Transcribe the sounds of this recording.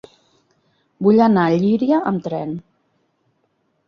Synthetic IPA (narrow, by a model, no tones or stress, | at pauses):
buʎanaʎiɾiəʔəmt̪ɾɛn